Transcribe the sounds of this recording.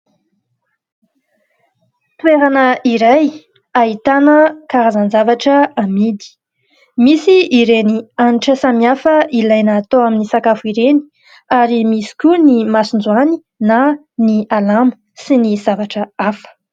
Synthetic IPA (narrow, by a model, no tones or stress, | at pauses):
t̪weɾanəiɾaj | aɦit̪anəkaɾazanzavaʈ͡ʂəːmid̪i̥ | misiːɾenianiʈ͡ʂəsamiafəʔilajnəːt̪oaminisakafuiɾeni̥ | aɾimisi̥kʲunimasund͡zuani | na | nialamə̥ | siniz̥avaʈ͡ʂəafə̥